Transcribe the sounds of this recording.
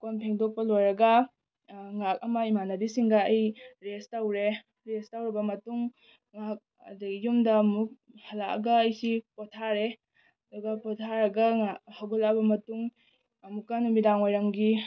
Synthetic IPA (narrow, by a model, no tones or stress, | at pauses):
konpʰeŋdok̚pɐlojɾɐɡɐ | ŋak̚ɐmɐimanɐbisiŋɡɐːjɾestawɾe | ɾestawɾibɐmɐtuŋ | ŋak̚ | ɐ̰dɐɡijumdɐmuk̚ | hɐlaɐ̰ɡɐːjsipɔtʰaɾe | ɐduɡɐpɔtʰaɾɐɡɐŋahaɡolabɐmɐtuŋ | ɐmukːanumidaŋojɾɐŋɡi